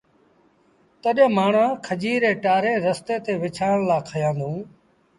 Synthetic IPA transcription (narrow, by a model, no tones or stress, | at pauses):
t̪əɗə̃maːɳãːkʰəd͡ʒiːɾeːʈaːɾẽːɾəst̪eːt̪eːʋɪt͡ʃʰaːəɽ̃laːkʰəjãːnd̪ʱũː